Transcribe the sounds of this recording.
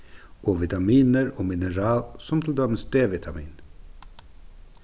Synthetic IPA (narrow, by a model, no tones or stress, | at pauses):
ʔoːʋɪt̪ɑmiːnəɾoːmɪnəɾɑːlsɔmt̪ʰɪl̩d̪œmənsd̪eːʋɪt̪ʰɑmḭːn